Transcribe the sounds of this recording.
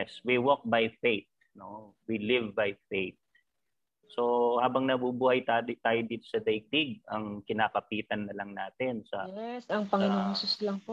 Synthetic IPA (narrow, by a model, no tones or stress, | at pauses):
ɛswiwok̚bɐjfejt̪̚ | no̞wilɪvbɐjfejt̪̚ | so̞haːbɐŋnɐbubuːhɐjt̪at̪aːjod̪iːt̪o̞sɐd̪ɐj̚d̪ɪɡ̚ɐŋkɪnaːkɐpiːt̪ɐnːɐlɐŋnaːt̪ɛnsɐɛsɐŋpɐŋɪnoŋsʊslɐŋpo